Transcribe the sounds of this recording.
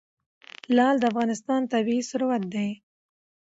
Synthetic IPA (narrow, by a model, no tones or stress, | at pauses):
lɑld̪əafɣɑnɪst̪ɑnt̪abiisʊɾwat̪̚d̪aj